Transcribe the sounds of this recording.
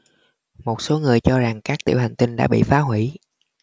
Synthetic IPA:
mo˨˩t̚so˨˦ŋɨ˨˩əjt͡ɕɔ˧za˨˩ŋkaː˦˥k̚t̪ḭ˧˨wha˨˩jŋ̟t̪i˧nɗa̰ː˧˥ɓḭ˧˨faː˨˦ɦwi˧˩˨

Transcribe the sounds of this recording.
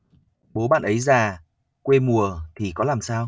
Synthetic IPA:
ɓo˨˦ɓa̰ː˧˨nʔə˨˦jzaː˨˩ | kwe˧mu˨˩ət̪ʰi˨˩kɔ˨˦laː˨˩msaː˧w

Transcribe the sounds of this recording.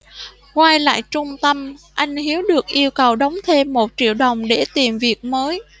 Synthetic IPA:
kwaː˧jla̰ː˧˨jt͡ɕʊ˧ŋ͡mt̪ə˧mʔa˧jŋ̟hi˨˦əwɗɨ˨˩ək̚ʔi˧əwkə˨˩wɗə˨˦wŋ͡mt̪ʰe˧mːo˨˩t̚t͡ɕḭ˧˨əwɗə˨˩wŋ͡mɗe˧˩t̪i˨˩mvi˨˩ək̚məː˨˦j

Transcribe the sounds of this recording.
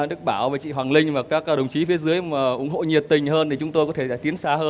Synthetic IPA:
ɗɨ˦˥k̚ɓaː˧˩wveː˨˩t͡ɕḭ˧˨ɦwaː˨˩ŋlï˧ŋ̟vaː˨˩kaː˦˥k̚ːɗə˨˩wŋ͡mt͡ɕi˨˦fi˨˦əzɨ˨˦əjmaː˨˩ʔʊ̰˧˩ŋ͡mɦo̰˧˨ɲi˨˩ət̚t̪ï˨˩ŋ̟həː˧nt̪ʰi˨˩t͡ɕʊ˨˦ŋ͡mt̪o˧jkɔ˨˦t̪ʰe˧˩ɗa̰ː˧˥˩t̪i˨˦ənsaː˧həː˧n

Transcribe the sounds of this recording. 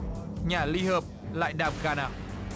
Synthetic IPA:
ɲaː˨˩li˧həː˨˩p̚la̰ː˧˨jɗaː˨˩m̚ɣaː˧na̰ː˧˨w

